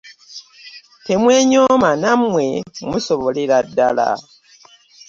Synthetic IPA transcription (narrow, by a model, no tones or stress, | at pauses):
te̞mwe̞ːɲomanamwe̞musoβoleɾadːala̰